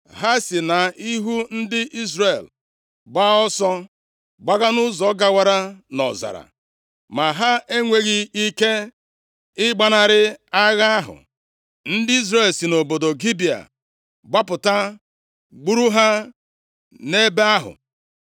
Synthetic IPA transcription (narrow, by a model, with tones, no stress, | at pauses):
ɦa˦si˨na˨i˦ɦu˦n̩˦dɪ˦ʔi˦zrɾe˨l | ɡ͡ba˦ɔ˦sɔ˦ | ɡ͡ba˦ɣa˦nʊ˦zɔ˨˦ɡa˦wa˦ɾa˦nɔ̰˨za̰˨ɾa̰˨ | ma˨ɦa˦e˦ŋʷe˨ɣi˦i˦ke˦ | ɪ˦ɡ͡ba˦na˨ɾɪ˦a˦ɣa˦a˦ɦʊ̰˨ | n̩˦dɪ˦i˦zɾe˨lsi˨no˨bo˨do˨ɡi˦bi˨a̰˨ | ɡ͡ba˦pʊ˨ta˦ | ɡ͡bu˦ɾu˦ɦa˦ | ne˦be˦a˦ɦʊ̰˨